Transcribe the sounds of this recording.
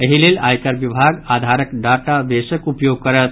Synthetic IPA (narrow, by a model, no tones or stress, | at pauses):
əɦilelajkəɾʋibʱaɡad̪ʱaɾəkɖaʈaʋesəkupjoɡ̚kəɾət̪